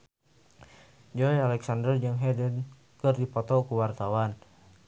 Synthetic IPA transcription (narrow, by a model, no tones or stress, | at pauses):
d͡ʒɔjalɛksandərd͡ʒaŋɦɛdən | kərdipɔt̪ɔkuwart̪awan